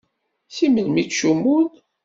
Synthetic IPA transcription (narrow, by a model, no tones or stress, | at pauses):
θiməlmit͡sʃumːuð